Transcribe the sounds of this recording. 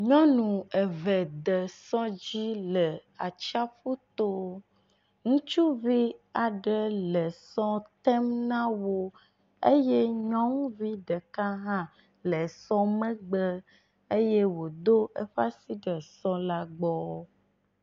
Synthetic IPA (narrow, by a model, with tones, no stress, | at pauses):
ɲɔ̃˦nũ˨ɛ˨vɛ˨d̪ɛ˨sɔ̃˦d͡ʑi˦lɛ˨a˨t͡ʃa˦ɸu˦t̪o˦ | ŋũ˦t͡ʃu˦vi˦a˨ɖɛ˦lɛ˨sɔ˦t̪ɛ˦mnã˦wo˦ | e˦je˦ɲɔ̃˦ŋ̃˦vi˦ɖ̪ɛ˨ka˦ɦã˦ | lɛ˨sɔ̃˦mɛ̃˦ɡ͡bɛ˦ | e˦je˦wo˨d̪o˦ʔe˦ɸa˦si˦ɖɛ˨sɔ̃˦la˦ɡ͡bɔ˦